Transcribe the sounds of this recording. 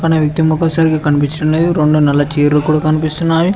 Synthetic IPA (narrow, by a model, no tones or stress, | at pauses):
kɐnɐʋjɐk̚t̪imɔkːɐsaːɾikikɐnipit͡ʃːɐʈɐmleːd̪uɾeɳɖunɛlːɐt͡ʃiːɾlukuːɽaːkɐnipist̪unːaːji